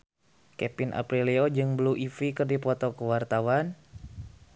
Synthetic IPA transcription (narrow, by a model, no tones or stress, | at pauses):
kɛpinʔa̰pɾiliod͡ʒɨŋbluʔifikɨrdipɔt̪ɔkəwart̪awan